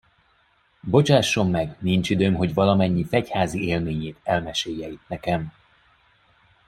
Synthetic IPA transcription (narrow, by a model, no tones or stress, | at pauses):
bo̞t͡ʃaːʃːo̞mːɛɡnint͡ʃid̪øːmɦo̞ɟvɒlɒmɛɲːifɛchaːzieːlmeːɲeːt̪ɛlmɛʃeːjːɛit̪̚nɛkɛm